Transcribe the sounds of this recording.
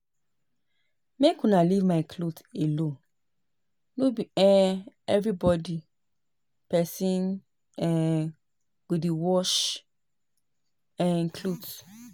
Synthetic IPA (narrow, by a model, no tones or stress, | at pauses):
mekũnalivmaɪkʰlotelõ | nobiɛɛvɹibɔdi | pɛsĩn | ɛ | widewɔʃ | ɛ̃nkʰlot